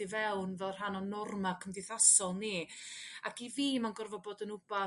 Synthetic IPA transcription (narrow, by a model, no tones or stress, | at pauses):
ivɛwnvɛlˠr̥ɦanɔnɔrmakʰəmdɪθasɔlˠni | akiviːmanɡɔrvɔboːdənʊba